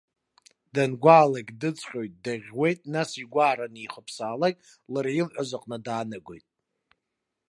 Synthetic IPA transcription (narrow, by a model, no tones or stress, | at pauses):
danɡʷaːlakʲʼdɨt͡sʼʰχʲʼo̞jt̚ʼdaʁʲwe̞jtʼnasiɡʷaːɾaniχəpʰsaːlakʲʼ | laɾajilħʷazaqʼnɨdaːnɨɡʷo̞̰jtʼ